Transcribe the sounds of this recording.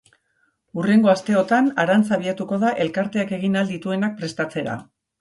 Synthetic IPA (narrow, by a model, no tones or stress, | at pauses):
ure̞ŋɡo̞ast̪e̞o̞t̪anaɾant͡saβ̞iat̪uko̞ðaʔe̞lkaɾt̪e̞ake̞ɣ̞inald̪it̪ue̞nak̚pɾe̞st̪at͡se̞ɾa̰